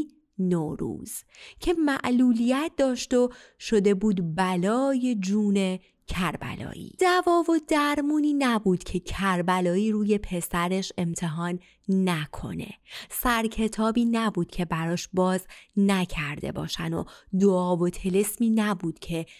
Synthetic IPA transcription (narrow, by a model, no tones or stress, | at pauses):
noːɾṵːz̥cʰe̞mæʔluːlijæt̪̚ʰd̪ɒːʃt̪oʃo̞d̪e̞buːd̪bælɒːje̞d͡ʒuːne̞ | cʰæɾbæ̰lɒ̰ːʔḭːd̪ævɒːvo̞d̪æɾmuːniːnæbuːd̪̥cʰe̞cʰæɾbælɒːiːɾuːje̞pʰe̞sæɾe̞ʃe̞mt̪ʰe̞ɦɒːnː | ækʰo̞̰ne̞̰sæɾcʰe̞t̪ʰɒːbiːnæbuːd̪̥cʰe̞bæɾɒːʃbɒːznæcʰæɾd̪e̞̰bɒ̰ːʃæ̰no̰d̪oɒːvo̞t̪ʰelesmiːnæbuːd̪̥cʰe̞